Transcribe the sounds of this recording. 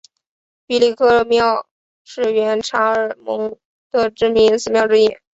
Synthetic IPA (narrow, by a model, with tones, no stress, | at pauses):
pi˧˥li˥˩kʰɤ˥mjɑ˥˧ʊ | ʂɻ̩˥˩ɥɛ˧˥nʈ͡ʂʰa˧˥ə˞˨˩mɤ˧˥ŋ | d̪̥ə˧ʈ͡ʂɻ̩˥mi˧˥ŋsɹ̩˥˧˩mjɑ˥˧ʊʈ͡ʂɻ̩˥jɛ̰˨˩˦n